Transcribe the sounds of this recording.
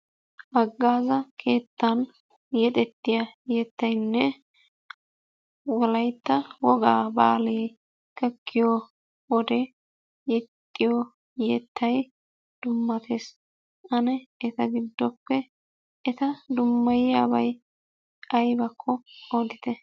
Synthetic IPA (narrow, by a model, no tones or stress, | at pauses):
ʔɐɡːaːzɐkʰe̞ːt̪ːɐn | jɛt̪ʼɛt̪ːɪjɐjɛt̪ːɐjnːɛ | wɔlɐjt̪ːɐwɔɡaːbaːleː | kɛkʰːɪjɔ | ʔɔd̪ɛ | jɛt̪ʼːɪjɔ | jɛt̪ʰːɐj | d̪̥ʊmːɐt̪ʰe̞ːs | ʔɐnɛːt̪ɐɡɪd̪ːɔpːɛ | ʔɛt̪ɐd̪ʊmːɐjɪjaːbɐj | ɐjbɐkʰːɔɔd̪ɪt̪ɛ